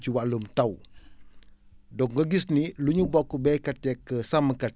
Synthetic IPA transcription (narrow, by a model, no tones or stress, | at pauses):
t͡ʃiwalumtɐw | dɔŋɡɐɡisniluɲubɔkːubɛkɐt̚ːɛkːəsaməkɐ